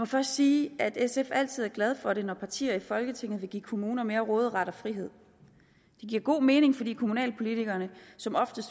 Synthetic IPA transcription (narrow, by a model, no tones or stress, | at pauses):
mɒ̽fɶɐsd̥siːæd̥esefæl̰t͡sʰið̞̰ˠæɐɡlɛð̞ˠfɒ̽ɾe̝nɒpʰɑ̈t͡sʰḭːɐifɒ̽lɡ̥ət͡sʰe̝ŋ̰ð̞̩ˠʋe̝ɡ̥ḭːkʰo̝muːnɐme̝ːɐʁɔːð̞ˠʁɑ̈ɾɒ̽fʁiɦe̝ð̞̰ˠ | d̥e̝ɡ̥iɐ̰ɡ̥o̝̰ːme̝ːne̝ŋfɒ̽dḭːkʰomunɛ̰ːlpʰo̝lit͡sʰiɡ̥ɐnəsɒ̽mɒ̽fd̥əsd̥